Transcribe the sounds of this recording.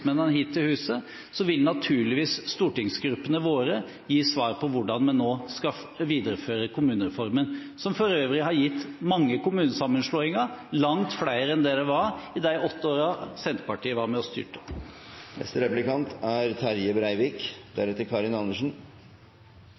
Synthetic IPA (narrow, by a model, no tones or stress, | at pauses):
mɛnːənəɦiːt̪ʰːɪlhʉːsə | sɔʋɪlnɑt̪ʰʉːɭɪʋiːsːt̪uːʈɪŋsɡɾʉpːənəʋoːɾə | jiːsʋɑːɾpʰɔʋʊɖɑnmɛnːoːskɑ | ʋiːd̪əɾəføːɾəkʰʊmʉːnəɾɛfɔɾmən | sɔmfɔɾøːʋɾɪhɑɾjɪt̪ːmɑŋːəkʊmʉːnəsɑmːənʂloːɪŋəɾlɑŋt̪fɽæɪəɾɛnd̪eːɾəʋɑɾɪd̪æɪʔɔt̪ːəoːɾɑsɛnt̪ə̥pɑʈiːəʋɑɾmɛɔst̪ʏ̰ːʈə̥ | nɛ̰st̪əɾɛplɪkɑnt̪æɾt̪ʰɑɾjəbɾæɪʋɪkd̪æɾɛt̪ːəɾkʰɑːɾɪnɑnːəʂn̩